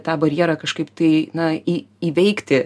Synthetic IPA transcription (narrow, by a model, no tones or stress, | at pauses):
t̪ɑːbɐɾʲjɛɾɐkɐʃkɐɪpt̪ɐɪnɐi | iːʋʲɛɪkt̪ʲɪ